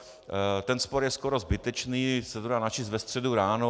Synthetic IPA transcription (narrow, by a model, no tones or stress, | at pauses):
t̪ɛnspoɾjɛskoɾo̞zbɪt̪ɛt͡ʃniːsɛt̪odaːnat͡ʃɪst̪vɛst̪r̝̥ɛduɾaːno